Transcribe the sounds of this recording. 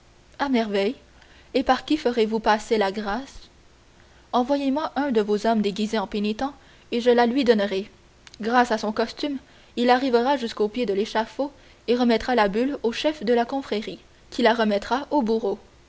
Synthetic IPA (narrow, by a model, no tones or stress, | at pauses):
amɛʁvɛj | epaʁkʲifəʁevupaselaɡʁas | ɑ̃vwajemwaʔɛ̃d̪əvozɔmd̪eɡʲizeɑ̃penit̪ɑ̃ | eʒəlalɥid̪ɔnʁɛ | ɡʁasasɔ̃kɔst̪ym | ilaʁivəʁaʒyskopjed̪əleʃafo | eʁəmɛt̪ʁalabyloʃɛfd̪əlakɔ̃fχɛʁi | kʲʰilaʁəmɛt̪ʁaʔobuʁo